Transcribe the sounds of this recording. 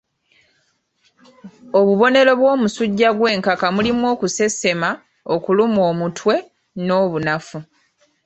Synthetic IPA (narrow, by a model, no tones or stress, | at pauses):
o̞βuβo̞ne̞ɾo̞βwo̞ːmusuɟːaɡwe̞ːŋkakamulimwo̞ːkuse̞se̞ma | okulumoːmutʰwe̞ | no̞ːβunafu